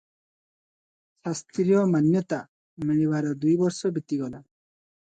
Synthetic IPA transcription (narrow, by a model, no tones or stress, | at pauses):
sast̪ɾijɔmanjɔt̪a | miɭiβaɾɔd̪ujbɔɾsɔbit̪iɡɔla